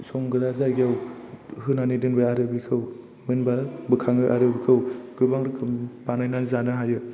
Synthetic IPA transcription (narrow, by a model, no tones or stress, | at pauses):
sɔŋɡɯɾazaɡijawhɯnanidɯnbaaɾɯbikʰɯw | mɯnbabɯkʰaŋɯʔaɾɯbikʰɯwɡɯbaŋɾɯkʰɯmpanajnazanɯɦajɯ